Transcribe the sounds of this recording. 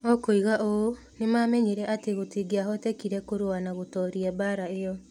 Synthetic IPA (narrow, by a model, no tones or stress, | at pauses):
ɔkoiɣaʔoo | nemaːmɛɲeɾɛʔateɣotiɡeaɦɔtɛkiɾɛkoɾoanaɣotɔːɾiɛbaːɾaejɔ